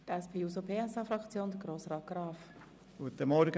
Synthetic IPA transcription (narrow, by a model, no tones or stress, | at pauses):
tɛspʰeːuːsopʰeːɛsɑfɾɑkt͡sjoːnd̪əɡ̥ɾoːsʁɑːt̚ɡ̥rɑːf | ɡ̥uət̪ːəmɔɾɡə